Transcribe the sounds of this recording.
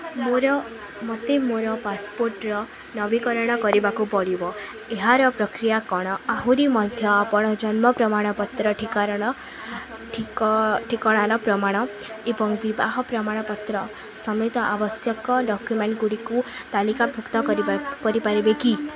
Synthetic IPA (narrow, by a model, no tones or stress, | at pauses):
moɾɔ | mɔt̪emoɾɔpaspoɾʈɾɔ | nɔbikɔɾɔɽ̃ɔkɔɾibakupɔɽibɔ | eɦaɾɔpɾɔkɾijakɔɽ̃ɔaɦuɾimɔd̪ʱjɔapɔɽ̃ɔd͡ʒɔnmɔpɾɔmaɽ̃ɔpɔt̪ɾɔʈʰikaɾɔɽ̃ɔ | ʈʰiʈʰikɔɽ̃aɾɔpɾɔmaɽ̃ɔ | ebɔŋbibaɦɔpɾɔmaɽ̃ɔpɔt̪ɾɔ | sɔmut̪ɔʔabɔsjɔkɔɖɔkjumeɳʈ̚ɡuɽikut̪alikabʱukt̪ɔkɾikɔɾipaɾibeki